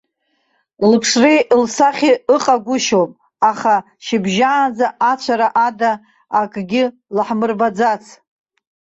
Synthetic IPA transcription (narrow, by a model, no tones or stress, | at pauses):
lɨpʰʂreʔlsaχʲiɨqʼaɡʷʊʃopʼ | aχa | ʃɪbʒaːnd͡zaat͡ɕʷʰaɾaʔadaː | kʼɡʲɪ | lħmɨrbad͡zat͡sʰ